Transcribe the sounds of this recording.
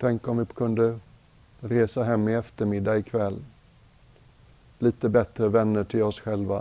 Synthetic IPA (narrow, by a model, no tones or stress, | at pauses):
t̪ʰɛŋkɔmvɪkʰɵnd̪ə | ɾeːsaɦɛmːɪɛft̪əɾmɪd̪ːaɪkʰvɛlː | liːt̪əbɛt̪ɾəvɛnːəʈʰɪlɔsɧɛlva